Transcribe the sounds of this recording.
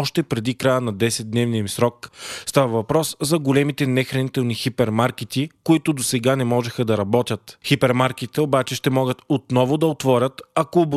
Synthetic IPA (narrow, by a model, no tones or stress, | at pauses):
ɔʃt̪ɛpɾɛd̪ikɾajənɐd̪ɛsɛd̪̚d̪nɛvniimsɾɔk̚st̪avɐvɐpɾɔszɐɡolɛmit̪ɛnɛxɾɐnit̪ɛlˠnixipɛɾmaɾkit̪ikoit̪ʊd̪osɛɡanɛmɔʒɛxəd̪ɐɾɐbɔt̪ʲjət̪xipɛɾmaɾkit̪ɛobat͡ʃɛʃt̪ɛmɔɡət̪ot̪nɔvʊd̪ɐot̪vɔɾʲət̪ɐkoːb